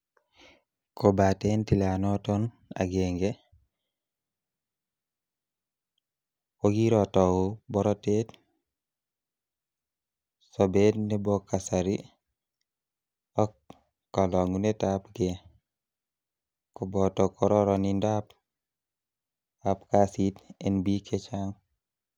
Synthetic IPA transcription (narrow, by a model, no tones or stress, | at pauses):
kobatentilanoton | a̰ɡeːŋɡe | woɡiɾotowubɔɾotet | sobetnebokːasaɾi | okː | alɔŋunetapɡe | kobɔtokoɾɔɾonindap | apkasitenbikʰet͡ʃaŋ